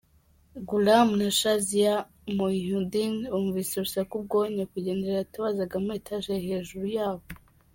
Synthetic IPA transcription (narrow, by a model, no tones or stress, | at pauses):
ɡulamnaʃazija | moihudinuːɱvisiɾusakub̚ɡoɲekuɟe̞ːndeataβazaɡametʰaʒeɦeːʒuɾujaːβo